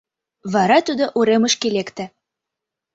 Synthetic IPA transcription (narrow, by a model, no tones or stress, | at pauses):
βɑɾɑt̪ud̪oʔuɾeməʃkelekt̪æ̆